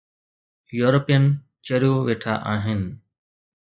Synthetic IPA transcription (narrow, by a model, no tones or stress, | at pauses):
juːɾoːpijən | t͡ʃəɾjõːʋeːʈʰa̰ːʔaːɦɪnɪ